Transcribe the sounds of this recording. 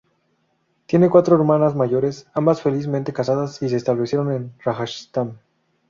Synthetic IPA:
t̪jene̞kwat̪ɾoe̞ɾmanazmaʝo̞ɾe̞sambasfe̞lizmẽnt̪e̞kasaðasis̬e̞ːst̪aβle̞sje̞ɾo̞ne̞nraxaʃi̥st̪am

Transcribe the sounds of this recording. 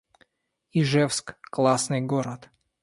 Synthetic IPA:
iʐɛfskklˠasnɨjɡoɾɐt̪

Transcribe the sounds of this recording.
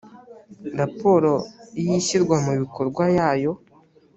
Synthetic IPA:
ɾapo̞ɾoijiɕiɾɡwamuβiko̞ɾɡwajaːjo̞

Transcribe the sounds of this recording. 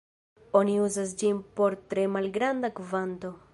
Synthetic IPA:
o̞niuzas̬d͡ʒinpo̞ɾtɾe̞malɡɾandakvanto̞

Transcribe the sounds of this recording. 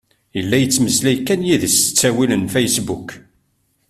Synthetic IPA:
jəlːæjət͡sːməslæjkːænjiðəst͡sːæwilənfæjsbuk

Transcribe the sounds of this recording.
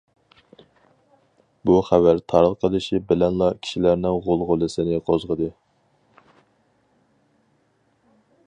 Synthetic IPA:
buχævæɾt̪ʰɑɾlqʰəlˠɨʃibɪlɛnlˠɑkʲʰi̥ʃilæɾnɪŋʁolˠʁolˠɨsɪnɪqʰozʁəd̪ɨ

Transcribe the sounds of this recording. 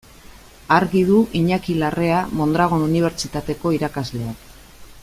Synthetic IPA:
aɾɣiðuʔiɲakilare̞amo̞nd̪ɾaɣ̞o̞nuniβ̞e̞ɾt͡ʃit̪at̪e̞ko̞iɾakazle̞ak

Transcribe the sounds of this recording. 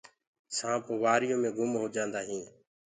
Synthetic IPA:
sãːpoʋaːɾɪjõːmẽːɡʊmɦoːd͡ʒãːnd̪aːɦĩː

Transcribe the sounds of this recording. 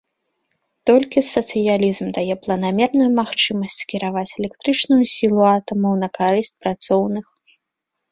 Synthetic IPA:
t̪ɔlʲkʲisɐt̪sɨjalʲizmd̪ajɛplˠɐnamʲɛrnujumaxt͡ʂɨmɐsʲt͡sʲskʲiɾavat͡sʲɛlʲɛkt̪ɾɨt͡ʂnujusʲilˠuat̪ɐmɐwnɐkaɾɨsʲt͡s̚ʲpɾat̪sɔwnɨx

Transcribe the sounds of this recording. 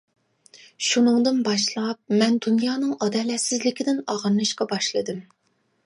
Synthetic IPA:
ʃunɨŋd̪ɨnbɑʃlˠɑp̚mɛnd̪unjɑːnɨŋɑd̪ɛlɛsɪzlɪkʲɪd̪ɪnɑʁɨɾnɨʃqɑbɑʃlˠɨd̪ɨm

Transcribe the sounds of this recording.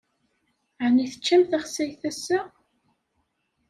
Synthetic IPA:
ʕniθə̥t͡ʃːæmθaχsæjθæsːə

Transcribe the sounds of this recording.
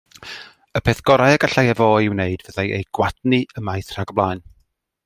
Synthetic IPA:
əpʰeθɡ̥ɔɾajaɡaɬajɛvɔːɪwneɨdvəðajʔḛjɡ̥wadniəmajθr̥aɡɔblˠajn

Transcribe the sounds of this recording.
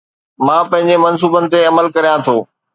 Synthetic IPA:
mãːpɐ̃ɦɪ̃ɲd͡ʑemɐns̬uːbənɪ̆t̪eɐməlkɐɾijãt̪ʰoː

